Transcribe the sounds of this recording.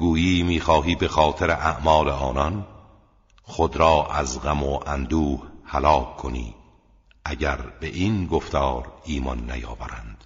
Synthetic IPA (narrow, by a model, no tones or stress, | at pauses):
ɡuːjiːmiːxɒːɦiːbe̞xɒːt̪ʰeɾeʔæʔmɒːleɒːnɒn | xod̪ɾɒːʔæzɣæmoʔænd̪uːhhælɒːkʰːonḭː | ʔæɟæɾbe̞ʔinɡoft̪ɒːɾiːmɒnːæ̰jɒːvæɾænd̪̥